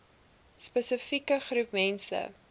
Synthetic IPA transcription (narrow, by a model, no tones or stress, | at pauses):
spəsəfikəχrupmɛnsə̰